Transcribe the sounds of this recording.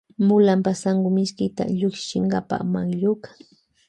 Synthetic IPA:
mʊlampasaŋɡʊmɪskɪt̪a̰ʎʊkʃɪ̥t͡ʃɪŋɡapa̰maŋʎʊkḁŋ

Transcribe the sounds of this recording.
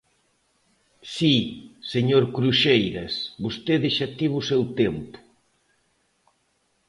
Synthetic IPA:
siseɲoɾkɾuʃejɾɐsbost̪eðeʃat̪iβ̞usewt̪empʊ̥

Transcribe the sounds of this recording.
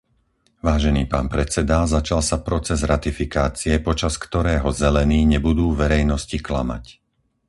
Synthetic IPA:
ʋaːʒɛniːpa̰ːnpɾɛt͡sɛd̪azat͡ʃalsapɾɔt͡sɛzɾat̪ifikaːt͡siɛpɔt͡ʃaskt̪ɔɾɛːɦɔzɛlɛniːɲɛbud̪uːʋɛɾɛjnɔsciklama̰c

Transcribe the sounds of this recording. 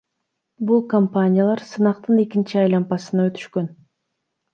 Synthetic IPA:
bulˠkompanʲɪjalˠɑɾsɯnɑqt̪ɯne̞kint͡ʃiɑjlˠɑmpɑsɯnɑø̞t̪y̥ʃkø̞n

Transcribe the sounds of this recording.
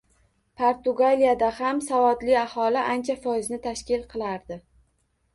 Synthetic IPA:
pʰaɾt̪ʊɡalijad̪ahamsavɒd̪lɪahɒlɪʔant͡ʃʰafɒɪznɪt̪ʰaʃkʲɪlˠqʰɨlˠaɾd̪ɪ

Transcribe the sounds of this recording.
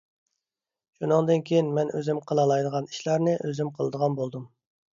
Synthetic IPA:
ʃunɨŋd̪ɨnkʲʰejinmɛnøzymqʰəlˠɑlˠɑjd̪əʁɑni̥ʃlæɾnɪʔøzymqʰəlˠɨd̪əʁɑnbolˠd̪um

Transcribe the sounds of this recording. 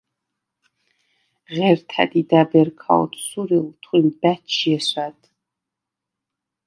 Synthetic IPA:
ʁɛrtʰa̰d̪idabɛrkʰa̰wtʰsuriltʰχʷimbæt͡ʃʰjɛɕʷatʰʼ

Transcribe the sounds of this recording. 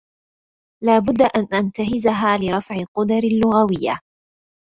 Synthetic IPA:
laːbʊd̪ːaʔanʔant̪aɦɪzaɦaːlɪɾˤɑfʕɪqʊd̪ɑɾɪlːʊɣawɪjːa̰

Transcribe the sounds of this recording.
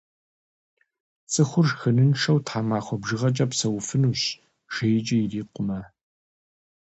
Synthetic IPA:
t͡sʼɨxʷʊrxɐnɨnʂɐwtħaːmaːχʷɔbʒɨʁɐt͡ʃʼɐpsɐwfɨnuːɕ | ʒ̥ɐjt͡ʃʼɐjɪriːqʷʊmɐ

